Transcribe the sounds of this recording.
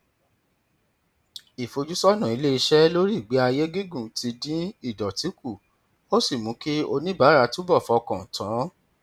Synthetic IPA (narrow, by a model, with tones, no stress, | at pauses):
i˨fo˧d͡ʒu˦sɔ˦nã˨i˧˦le˦i˧ʃɛ˦lo˦ɾi˦˨ɡ͡be˨˦a˧je˦ɡi˦ɡũ˦˨ti˧dĩ˦i˦˨dɔ˨ti˨˦ku˦˨ | o˦si˦˨mũ˨˦ki˦o˧nĩ˦ba˨˦ɾa˧˦tũ˦bɔ˦˨fɔ˧kã˨tã˨˦